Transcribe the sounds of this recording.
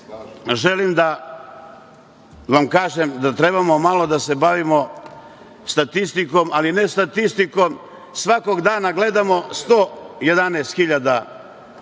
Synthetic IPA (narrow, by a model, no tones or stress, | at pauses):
ʒe̞limd̪a | ʋamkaːʒemd̪at̪ɾe̞bamo̞malo̞d̪ase̞baʋimo̞ | st̪at̪ist̪iko̞malinest̪at̪ist̪iko̞m | sʋako̞ɡd̪aːnaɡle̞d̪amo̞st̪oje̞d̪aneːst̪xiʎad̪a